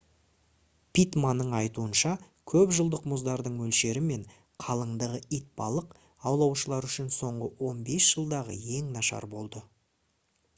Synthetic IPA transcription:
pʰit̪manːəɴɑjt̪uənʃɑ | kʲʰɵpʒəlˠd̪əqmʊzd̪ɑɾd̪əɴwɵlʃe̞ɾɪme̞ɴ | qʰɑlˠəɴd̪əʁəʔit̪̚bɑlˠəq | ɑwlˠɑwʃəlˠɑɾʏʃɪnso̞ɴʁəwo̞nbe̞sʒ̥əlˠd̪ɑʁə̰je̞ŋnɑʃɑ̰ɾbo̞lˠd̪ə

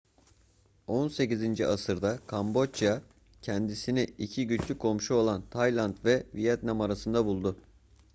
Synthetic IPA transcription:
o̞nse̞cizind͡ʒiasɯɾd̪akʰambo̞t͡ʃja | cʰɛnd̪isiniicʰiɟyt͡ʃlʲykʰo̞mʃuo̞lˠant̪ʰajlˠant̪vɛvijat̪namaɾasɯnd̪abulˠd̪ʊ

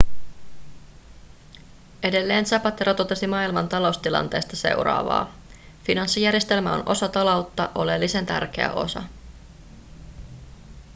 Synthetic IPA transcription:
ʔe̞de̞lːe̞ːnsɑpɑt̪ːeɾot̪o̞t̪e̞simɑːilmɑnt̪ɑlo̞wst̪ilɑ̰nt̪e̞ːst̪ɑse̞̰wɾɑ̰ːʋɑ̰ː | finɑnsːijæɾjest̪e̞lmæo̞̰nʔo̞̰sɑt̪ɑlowt̪ːɑʔo̞lelːisent̪æ̰rk̟e̞̰æ̰ʔo̞̰sɑ̰

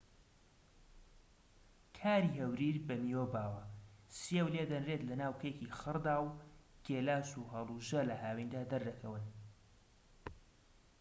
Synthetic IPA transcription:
kʰaːɾiːhɐwɾiːɾbɐmijoːbaːwɐsjewleːd̪ɐnret̪lɐnaːwkʰekiːxɨɾd̪aːwɡ̥eːlaːsuɦɐlˠuʒɐlɐɦaːwind̪aːd̪ɐɾd̪ɐkʰɐwɨn

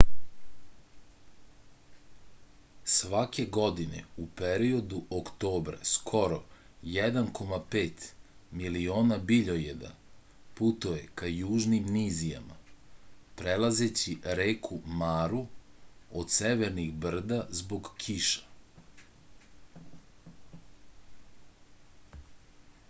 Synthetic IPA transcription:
sʋake̞ɡo̞d̪inḛupeɾio̞d̪uʔokt̪o̞ːbɾa̰skʰo̞ɾo̞ | jed̪ankʰo̞mapeːt̪milio̞ːnabiʎojed̪a̰ | put̪oje̞kajuːʒnimnizija̰ma̰ | pɾelaze̞t͡ɕiɾeːkʰumaːɾu | od̪seʋeɾniɣbr̩d̪azbo̞ɡkʰiʃḁ

